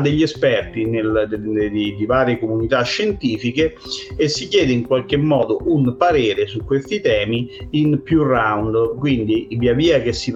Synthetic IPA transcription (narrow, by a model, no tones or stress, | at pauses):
d̪eʎːiɛspɛrt̪ineld̪id̪ivaːɾjekomunit̪aʃːent̪iːfike | esːikjɛːd̪eiŋkwalk̟emːɔːd̪oʔunpaɾeːɾesukːwest̪it̪ɛːmiːnpjurawnd̪kwind̪iviaviːak̟esːi